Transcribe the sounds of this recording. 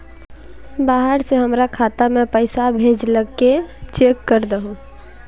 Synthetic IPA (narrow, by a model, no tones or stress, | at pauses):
baːɦəɾseɦəmɾakʰaːt̪amɛ̃pəɪsabʱeːd͡ʒləɡket͡ʃeːkːəɾd̪əɦũː